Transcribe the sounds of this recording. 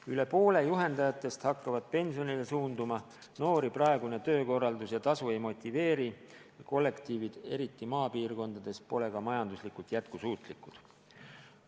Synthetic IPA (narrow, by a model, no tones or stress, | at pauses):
yle̞po̞ːle̞juɦe̞nd̪ɑjɑt̪ːˑe̞st̪hɑkːɑvɑd̪̥̚pe̞nʲsio̞nile̞suːnd̪umɑ | no̞ːɾipɾɑe̞ɡune̞t̪ø̞ːko̞rːɑld̪usjɑt̪ɑsue̞jmo̞t̪ʲːˑive̞ːɾi | jɑko̞lːe̞kt̪iːvid̪̥e̞ɾit̪ːˑimɑːpiːrko̞nd̪̥ɑd̪̥e̞spo̞le̞ɡɑmɑjɑnd̪uslikult̪jæt̪̚kusuːt̪ˑlikˑud̪̥